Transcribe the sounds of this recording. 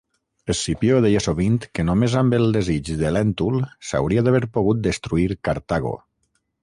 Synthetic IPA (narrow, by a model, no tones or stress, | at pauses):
esipjoðɛjasoβint̪kənomezambəlˠd̪ezid͡ʒðelɛnt̪ulˠsa̰wɾiaðaβeɾpoɣ̞ut̪̚d̪əst̪ɾuiɾkaɾt̪aɣo̰